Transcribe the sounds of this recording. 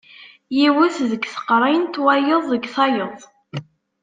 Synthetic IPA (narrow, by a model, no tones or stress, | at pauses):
jiwuθðəɡθə̥qːɾˤint̪wæjəðˤːəɡθɑjəðˤ